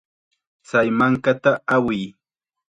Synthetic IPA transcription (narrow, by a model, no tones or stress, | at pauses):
t͡sajmaŋkat̪aawɪj